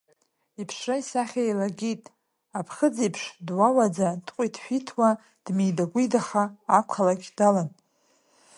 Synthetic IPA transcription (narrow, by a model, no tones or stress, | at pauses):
ipʰʂraisaχʲaejlaɡʲitʼ | apʰχəd͡zipʰʂdwawad͡zadqʷʼitʰʃʷᶣitʰwa | d̥mijdaɡʷijdaχaːkʷʰalakʲd̥alan